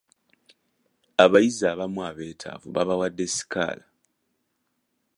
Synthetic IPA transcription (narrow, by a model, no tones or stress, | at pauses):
aβajizaːβamwaːβe̞ːtʰa̰ːvṵβaβawadːe̞si̥ka̰ːla